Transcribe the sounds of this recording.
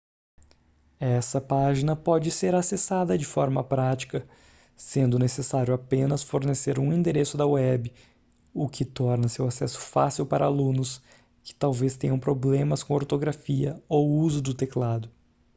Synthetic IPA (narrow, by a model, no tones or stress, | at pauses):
ɛsɐpaʒinɐpɔd͡ʒɪseɾasesad̪ɐd͡ʒɪfɔɾmɐpɾat͡ʃi̥kɐ | sẽnd̪ʊnesesaɾjʊapẽnɐsfoɾneseɾũĩnd̪eɾesʊd̪ɐwɛbɪ | ʊkɪt̪ɔɾnɐsewasɛsʊ̥fa̰siwpaɾʔɐalũnʊs | kɪ̥t̪awvest̪ẽɲɐ̃w̃pɾoblẽmɐskõoɾt̪oɡɾafiɐowuzʊd̪ʊt̪eklad̪ʊ